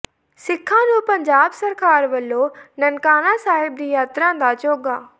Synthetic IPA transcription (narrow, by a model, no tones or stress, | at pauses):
sɪkʰːãnũːpɐ̃ɲd͡ʑaːbsɐɾkaːɾʋɐlːonɐnkaːnasaːɦɪb̚d̪iːjaːt̪ɾãd̪aːt͡ɕoːɡaː